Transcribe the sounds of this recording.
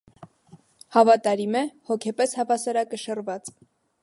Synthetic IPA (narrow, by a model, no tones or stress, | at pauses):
hɑvɑt̪ɑɾimɛhɔkʰɛpɛshɑvɑsɑɾɑkəʃərvɑt͡s